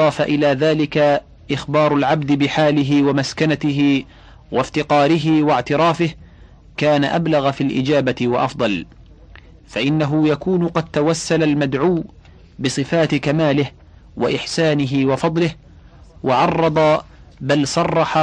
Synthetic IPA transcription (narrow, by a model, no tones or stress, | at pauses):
ɑːfaʔɪlaːðaːlɪka | ʔɪxbɑːɾˤʊlʕabd̪ɪbɪħaːlɪɦɪwamaskanat̪ɪɦɪ | wʔaft̪ɪqɑːɾɪɦɪwaʕt̪ɪɾˤɑːfɪh | kaːnaʔablaɣafilʔɪ̰d͡ʒaːbat̪ɪwaʔɑfd̪ˤɑl | faʔɪnːaɦʊjakuːnʊqɑd̪̚t̪awasːalalmad̪ʕuː | bɨsˤɨfaːt̪ɪkamaːlɪh | wa̰ʔɪħsaːnɪɦɪwɑfɑd̪ˤlɪh | wɑʕɑrˤːɑd̪ˤɑbalsˤɑrˤːɑħa